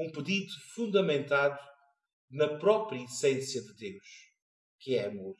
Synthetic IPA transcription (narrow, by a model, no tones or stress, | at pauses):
ũpɨðiðufũnd̪ɐmẽnt̪aðu | nɐpɾɔpɾijɐisẽsjɐðɨðewʃ | kɨɛmo